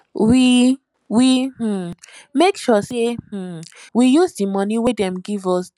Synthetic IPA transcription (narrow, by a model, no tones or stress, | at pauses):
wi | wi | mekʃɔseh̩wijuzdimɔniwedɛ̃mɡivɔs